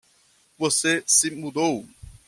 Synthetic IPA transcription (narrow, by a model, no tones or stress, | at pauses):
vosesɪmud̪ow